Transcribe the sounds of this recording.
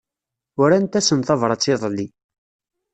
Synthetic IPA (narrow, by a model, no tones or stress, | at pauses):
ʊɾænt̪æsənθɑvɾˤɑt͡sːiðˤlːi